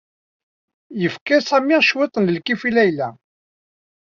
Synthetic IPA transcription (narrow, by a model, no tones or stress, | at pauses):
jəfkæsæmiʁʃwit̪ˤənləlkifilæjlæ